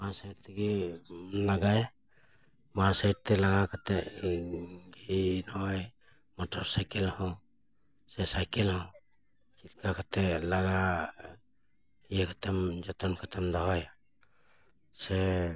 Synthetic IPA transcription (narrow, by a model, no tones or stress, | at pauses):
masajɾt̪eɡe | laɡaja | masajɾt̪elaɡakat̪e | ɡinoj | matʰoɾsajkelaɦo | sesajkelaho | kilkakat̪elaɡa | iekat̪amd͡ʒat̪ankʰat̪amdawaja | se